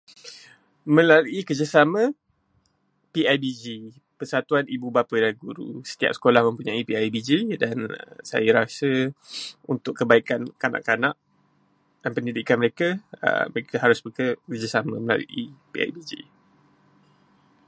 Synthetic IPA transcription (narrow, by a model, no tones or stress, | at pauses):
mə̃laluʔikərd͡ʒasamə̃ | piajbid͡ʒi | pəsat̪uanibubapədalɡuɾṵsə̥t̪ia̰p̚sə̥kolahmə̃mpuɲaipiajbid͡ʒidansa̰jəɾasə | unt̪ʊkːəbaikankana̰ʔkanaʔ | danpəndidikanməɾekaə̰məɾekaɦaɾʊsbəkəkərd͡ʒasaməməla̰lṵʔḭpḭa̰jbid͡ʒḭ